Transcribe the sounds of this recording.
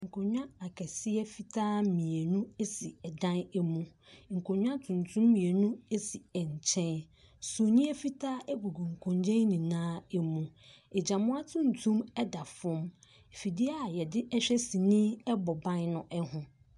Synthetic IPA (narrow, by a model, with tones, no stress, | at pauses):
ŋ̩˨kʰʊ̃˨ɲᶣã˦a˨kʰɛ˨sɪ˦ɛ˦fi˨tʰaː˦mĩ˨e˨nũ˦e˦si˨ɛ˨dã˦nɛ˦mũ˦ | ŋ̩˨kʰʊ̃˨ɲᶣ˦ã˦tʰũ˨n˨tʰũ˦mːĩ˨e˨nũ˦e˦si˨ɛ˨ɲ˨t͡ɕʰɛ̃˦n | su˨nĩ˦ɛ˦fi˦tʰaː˦ʔɛ˦ɡu˨ɡu˨ŋ̩˨kʰɔ̃˨ɲd͡ʑɛ̃˦nĩ˨nãː˦ɛ˦mũ˨ | ɛ˨d͡ʑã˨mʊ̃˦a˦tʰũ˦n˨tʰũ˦mɛ˦da˨fʊ̃˦m˨ | fi˨di˦a˦˨jɛ˨dɪ˦ʔɛ˦ɕᶣɛ˦si˨nĩ˦ɛ˦bɔ˨bã˦nnʊ̃˨ʔɛ˦hʊ̃˨